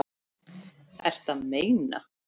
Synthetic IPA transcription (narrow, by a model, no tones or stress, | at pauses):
ɛ̰r̥t̪aðmeːjna̰